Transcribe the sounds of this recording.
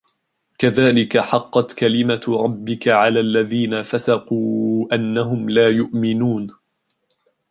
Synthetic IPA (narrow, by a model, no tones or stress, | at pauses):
kaðaːlɪkaħɑqːɑt̪kalɪmaɾˤɑbːɪkaʕalaːʔlːaðiːnafasɑquːʔanːaɦʊmlaːjʊʔmɪnuːn